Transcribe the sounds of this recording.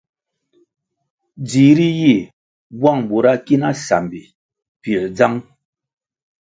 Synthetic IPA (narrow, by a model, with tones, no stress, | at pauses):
d͡zi˨˦ɾi˦ji˦˨ | bwa˦˨ŋbo˨ɾa˦ki˦na˦sa̰˨mbi˨ | pi˨ld͡za˦ŋ